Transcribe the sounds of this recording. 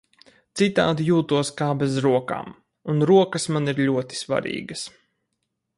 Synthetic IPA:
t̪sit̪a̰ːd̪ijuːt̪uɔskaːbɛzɾuɔka̰ːm | unɾuɔkɐsmaniɾʎʲuɔt̪i̥sva̰ɾḭːɡəs

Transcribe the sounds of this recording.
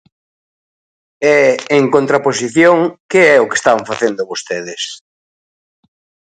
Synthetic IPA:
ɛeŋkont̪ɾapos̬iθjoŋkɪɛʊke̥st̪aŋfaθend̪ʊβost̪eðɪs

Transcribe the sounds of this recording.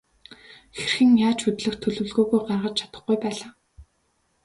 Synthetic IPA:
xerxɘ̆ŋjaːt͡ɕʰxɵt̪ɮɘ̆xt̪ʰːɵɮɵ̆wɮɣoːɣujɢarʁə̆t͡ɕt͡ɕʰat̪ə̆χɡujpæːɮaː

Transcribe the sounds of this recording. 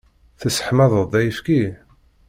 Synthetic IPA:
θəsə̥ħmæðˤəðˤd̪æjəfki

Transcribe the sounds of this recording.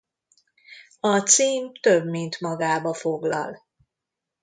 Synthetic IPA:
ɒt̪siːmt̪øbmint̪mɒɡaːbɒfoɡlɒ̰l

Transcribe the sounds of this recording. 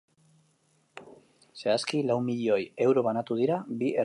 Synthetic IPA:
se̞askilawmiʎo̞je̞wɾo̞β̞anat̪uð̞iɾabiʔe

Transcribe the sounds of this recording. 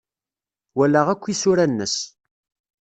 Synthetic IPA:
wælæʁækʷːisʊɾænːəs

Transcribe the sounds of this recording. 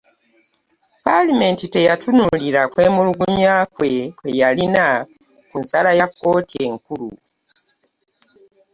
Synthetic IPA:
palime̞ntite̞jatʰunuliɾakwe̞ːmuluɡuɲakwekwejalina | kunsalajakːo̞ːtieŋkulṵ

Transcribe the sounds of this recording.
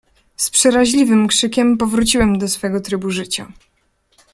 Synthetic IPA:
spʂɛɾaʑlʲivɘmkʂɘkʲɛmpɔvɾut͡ɕiwɛmd̪ɔsfɛɡɔt̪ɾɘbuʐɘt͡ɕa̰

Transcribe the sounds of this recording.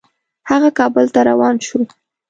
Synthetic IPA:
haɣakɑbəlt̪aɾawɑnʃu

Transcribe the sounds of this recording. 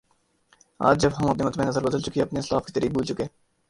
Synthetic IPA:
a̰ːd͡ʒd͡ʒɐbɦɐmɐp̚nemɐt̪mẽnɐzəɾbəd̪əlt͡ʃʊkiɐpneɪslaːfki̥t̪əɾiːk̚buːlt͡ʃʊkeː

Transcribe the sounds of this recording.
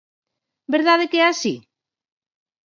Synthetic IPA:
beɾðaðekɛasḭ

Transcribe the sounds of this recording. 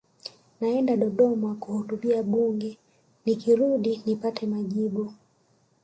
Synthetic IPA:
naɛndaɗɔɗɔmakuhutuɓiaɓuŋɡɛ | nikiɾuɗinipatʰɛmaʄiɓu

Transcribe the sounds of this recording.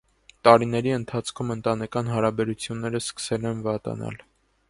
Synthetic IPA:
t̪ɑɾinɛɾiənt̪ʰɑt͡sʰkʰumənt̪ɑnɛkɑnɦɑɾɑbɛɾut͡sʰjunːɛɾəskə̥sɛlɛnvɑt̪ɑ̰nɑ̰l

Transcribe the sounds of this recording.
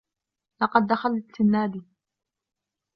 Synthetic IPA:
lɑqɑd̪ːaxalɪnːaːd̪i

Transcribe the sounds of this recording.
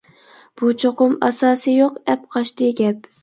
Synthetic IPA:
b̥ut͡ʃʰoqʊmɑ̰sɑːsɨjoqɛp̚qʰɑʃt̪ɨɡʲɛp̚

